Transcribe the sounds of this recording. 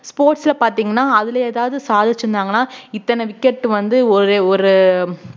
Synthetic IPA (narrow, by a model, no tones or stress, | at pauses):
spoːɾʈsɪlɐpaːɾt̪iːŋɡɐnːaːɐðɪlɐeːðaːʋɐðɯsaːðɪt͡ʃːɾɯnd̪aːŋɡɐnːaːɪt̪ːɐnɐʋɪkːɛʈːɯʋɐnd̪ɯɔɾɯɔɾɯ